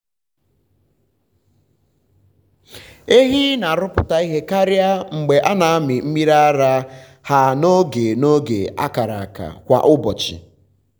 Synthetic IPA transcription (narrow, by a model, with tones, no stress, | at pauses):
e˦ɦi˦na˨ɾʊ˦pʊ˨ta˨i˦ɦe˦ka˦ɾja˦ŋ͡m̩˨ɡ͡be˨ʔa˦na˨a˦mɪ˨m̩˦mi˦ɾa˦a˦ɾa˦ | ha˨no˦ɡe˨no˦ɡḛ˨a̰˦ka˨ɾa̰˨ka̰˨kʷa̰˨ʔʊ˦bɔ˨t͡ʃɪ̰˨